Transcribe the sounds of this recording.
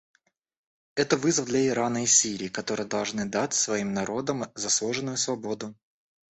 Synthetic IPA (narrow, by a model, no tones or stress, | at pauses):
ɛt̪əvɨzəvd̪lʲɐɪɾanəɪsʲiɾʲɪːkɐt̪o̞ɾɨjəd̪ɐlˠʐnɨd̪atʲsvɐimnɐɾʔo̞d̪əmzɐslˠoʐɨnːʊjʊsvɐbo̞d̪ʊ